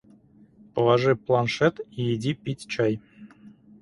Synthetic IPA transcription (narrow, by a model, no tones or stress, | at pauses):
pəlˠɑʐɨplˠanʂɛt̪ijidʲipʲitʲt͡ɕaj